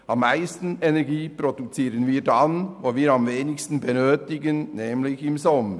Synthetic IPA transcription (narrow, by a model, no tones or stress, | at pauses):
ɑmːaɪstn̩ɛnɛʁɡiːpɾodut͡siːɾənviːdanvoːviːɾɑmveːnɪçstn̩bɛnøːtɪɡənnɛːmlɪçɪmzɔmə